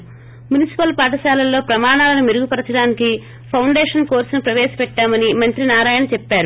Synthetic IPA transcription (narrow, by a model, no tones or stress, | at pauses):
munisi̥pɐlpaːʈ̬ɐʃaːlɐlːo̞ːpɾɐmaːɳaːlɐnumeɾuɡupɐɾɐt͡ʃɐɽaːniki | pʰɐwɳɖeːʂɐnko̞ːɾsnupɾɐʋeːsɐ̥pɛʈːaːmɐnimɐnt̪ɾinaːɾaːjɐnɐt͡ʃɛpːaːɾu